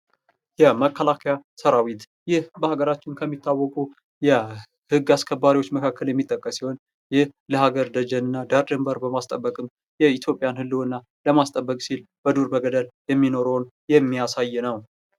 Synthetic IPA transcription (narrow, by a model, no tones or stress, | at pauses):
jɛməkʰːəlakʰjasəɾawit̪ | jɪhbəhaɡəɾat͡ʃːɪnkʰəmːit̪ʰːawːɔkʼu | jɛ | hɨɡːaskʰəbːaɾiwo̞t͡ʃːməkʰakːəljɛmːit̪ʼːəkʼːəsiho̞n | jɪhləhaɡəɾd̪əd͡ʒənɨnːad̪aɾdɨmbəɾbəmast̪ʼəbːəkʼɨm | jɛit̪ʰjopʼjanhɨlːɨɨnːa | ləmast̪ʼəbːəkʼsilb̥əd̪uɾbəɡəd̪əljɛmːino̞ɾon | jɛmːijasajnəw